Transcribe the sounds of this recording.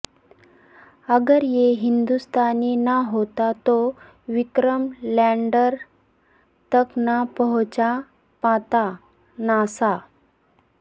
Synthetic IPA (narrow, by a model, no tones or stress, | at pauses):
əɡəɾjeɦind̪ust̪ʰaniːnaɦot̪at̪o | ʋikɾəmlaɳɖəɾ | t̪əknapəɦt͡sa | pãt̪a | nasa